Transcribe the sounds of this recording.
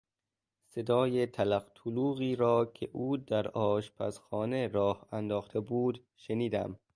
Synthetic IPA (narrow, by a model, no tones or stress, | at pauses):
se̞d̪ɒːjet̪ʰælæqt̪ʰuluːɣiːɾɒːcʰeʔuːd̪æɾɒːʃpʰæ̰sxɒːneɾɒːhænd̪ɒːxt̪ʰebuːd̪ | ʃeniːd̪æ̰m